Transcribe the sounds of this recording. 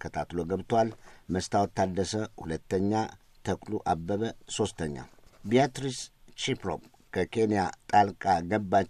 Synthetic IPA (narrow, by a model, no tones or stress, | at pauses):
kʰət̪ʰat̪loɡəβt̪ʰwalməst̪ʰawt̪ʰːad̪ːəsəhulət̪ːəɲːa | t̪ʰəkʼluʔabːəβəso̞st̪ʰəɲːa̰bijat̪ɾist͡ʃipɾo̰b | kʰəkʰe̞nijat̪ʼalkʼaɡəbːa